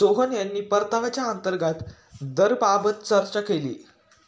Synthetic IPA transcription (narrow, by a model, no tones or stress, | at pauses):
oɦənjanːiːpəɾt̪aʋat͡ɕjaənt̪əɾɡat̪ | d̪əɾpabət̪t͡səɾt͡ɕakelḭː